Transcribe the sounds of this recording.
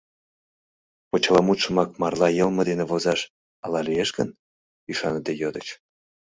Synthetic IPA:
pot͡ɕɑlɑmut̪ʃə̆mɑk̚mɑrlɑjəlmə̆d̪enĕvozɑʃ | ɑlɑlijeʃɡə̰n | yʃɑnət̪ejod̪ət͡ɕ

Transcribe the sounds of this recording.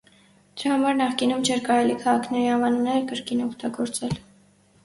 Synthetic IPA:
d̪̥əɾɑhɑmɑɾnɑχkinumt͡ʃʰɛɾkɑɾɛlikʰɑʁɑkʰnɛɾihɑmɑnunɛɾkəɾkinɔkʰt̪ɑɡɔɾt͡sɛl

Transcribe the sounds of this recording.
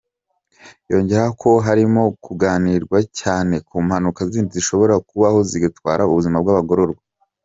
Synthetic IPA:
jo̞ɲɟe̞ɾakʰo̞ɦaɾimo̞kuɡaːniɾɡwacaːne̞kʰuːmhanukaziːndiziʃo̞βo̞ɾakuβaho̞ziɡatwaːɾauβuzimab̚ɡaβaɡoɾo̞ɾɡwa

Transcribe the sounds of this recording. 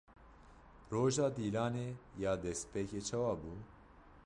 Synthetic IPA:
roːʒaːd̪iːlaːneːjɑːd̪ɛspeːkeːt͡ʃʰɛwaːbuː

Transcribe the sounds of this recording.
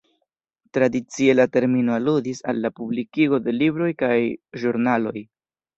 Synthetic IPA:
tɾadit͡sielate̞ɾmino̞aludisalːapublikiɡo̞de̞libɾo̞jkajʒuɾnalo̞j

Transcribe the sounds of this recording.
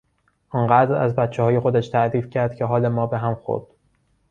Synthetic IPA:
ʔɒnɢæːd̪ɾæ̰zbæt̪t͡ʃʰehɒːje̞xo̞d̪æʃt̪ʰæʔd̪iːfcʰæɾd̪̥cʰeɦɒːle̞mɒːbe̞ɦæmxo̰ɾd̪̥

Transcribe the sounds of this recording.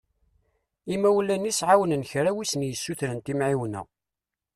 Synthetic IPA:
imːæwlːænisʕawənənçɾæwisənjəsːuθɾənt̪imʕiwənæ̰

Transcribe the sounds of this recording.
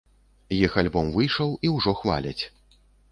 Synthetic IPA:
jixalʲbɔmvɨjʂɐwiwʐɔxva̰lʲɐt͡sʲ

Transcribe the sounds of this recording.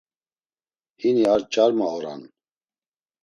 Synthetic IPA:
hiniaɾt͡ʃʼaɾmaɔɾa̰n

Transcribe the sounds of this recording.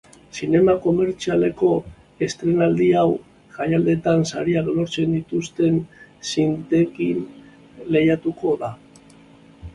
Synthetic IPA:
sine̞mako̞me̞ɾt͡siale̞ko̞ | e̞st̪ɾe̞nald̪iaw | ʝajald̪e̞t̪ansa̰ɾiaklo̞ɾt͡se̞nd̪it̪ust̪e̞nsint̪e̞kin | le̞jat̪uko̞ða

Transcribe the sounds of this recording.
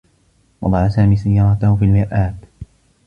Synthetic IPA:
wɑ̰d̪ˤɑʕasaːmiːsajːɑːɾˤɑt̪ahʊfiːlmɪɾʔaːb

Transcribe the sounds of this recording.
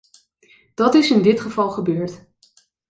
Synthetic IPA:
d̥ɑtɪsɪndɪtχəv̥ɑlˠχəbøːɹt

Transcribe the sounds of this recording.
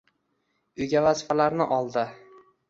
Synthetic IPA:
ʊjɡʲavazɪfalaɾnɪʔɒlˠd̪ɪ

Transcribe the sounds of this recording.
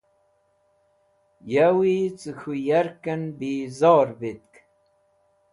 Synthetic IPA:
jawit͡sɨxʰujaɾkənbiːzɑːɾbit̪̚k

